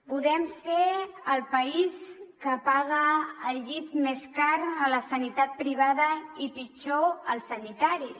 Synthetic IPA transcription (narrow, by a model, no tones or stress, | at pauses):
puðɛmseəlˠpəiskəpaɣəːlʎit̪meskaɾələsənit̪at̪̚pɾiβ̞aðəipit͡ʃoəlˠsənit̪aɾi